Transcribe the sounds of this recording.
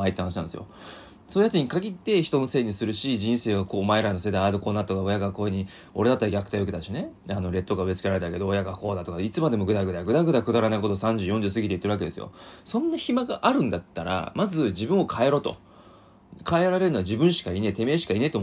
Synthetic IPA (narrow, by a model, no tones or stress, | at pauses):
ait̪ːehanaɕiãnesɨjo̰ | so̞ːjat͡sɨɲ̟ikaɡʲit̪ːe̞çi̥t̪o̞no̞se̞ːɲ̟isɨɾɯ̟ɕiʑĩɰ̃se̞ːβako̞ːmaeɾanose̞d̪ajad̪o̞ko̞ːnat̪o̞kao̞jaɡako̞ːeɲ̟i | o̞̰ɾe̞d̪at̪ːaɾaɡʲakɯ̟̥t̪ajoked̪aɕine̞ | ano̞ɾe̞t̪ːoɡaɯ̟e̞t͡sɨ̥ke̞ɾaɾe̞t̪ake̞d̪oːjaɡako̞ːd̪at̪okait͡sɨmad̪e̞mo̞ɡɯ̟d̪aɡɯ̟d̪aɡɯ̟d̪aɡɯ̟d̪akɯd̪aɾanaiko̞t̪osãɲ̟d͡ʑɨːjõ̞ɲ̟d͡ʑɨsɨɡʲit̪eit̪ːeɾɯake̞d̪e̞sɨjo̰sõ̞nːaçimaɡaʔaɾɯ̟̃nd̪at̪ːaɾa̰mazɨd͡ʑibɯ̟̃ɰ̃o̞kʰae̞ɾo̞ːt̪o̞̰ | kʰaeɾaɾe̞ɾɯ̟noad͡ʑibɯ̟̃ɰ̃ɕi̥kainet̪e̞me̞ːɕi̥kainet̪o